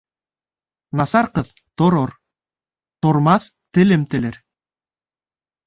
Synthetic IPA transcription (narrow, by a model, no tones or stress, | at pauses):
nɑsɑɾqɤð | t̪ŏɾoɾ | t̪ŏɾmɑθ | t̪ɘ̆lɘmt̪ɘ̆lɘɾ